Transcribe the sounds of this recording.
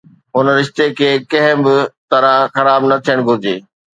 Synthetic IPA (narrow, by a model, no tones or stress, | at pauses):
ɦʊnɾɪʃt̪ekʰeːkɐ̃ɦɪ̃bɪt̪ɐɾãxɐɾaːbnɐt̪ʰijəɽ̃ɡʱʊd͡ʑeː